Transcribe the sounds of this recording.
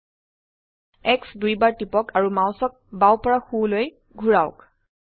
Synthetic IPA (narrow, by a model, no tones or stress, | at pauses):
ɛksdujbaɹtipɔkaɹumaʊ̃sɔk̚bawpɔɹaxuloj | ɡʱuɹaʊk